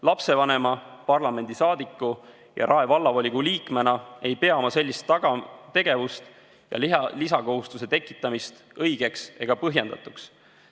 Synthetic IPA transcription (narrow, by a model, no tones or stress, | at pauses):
lɑpse̞vɑne̞mɑpɑrlɑme̞nd̪̥isɑːd̪ikˑːu | jɑ̰ɾʔɑe̞vɑlːɑvolʲiɡ̥uliːkme̞nɑe̞jpe̞ɑmɑse̞lʲːist̪ːɑɡ̥ɑt̪e̞ɡ̥e̞vust̪ | jɑ̰lisɑko̞ɦust̪use̞t̪e̞kːˑi̥t̪ːˑɑmist̪ | ɤjɡ̥e̞kse̞ɡ̥ɑpɤɦje̞nd̪ɑ̰t̪ˑuks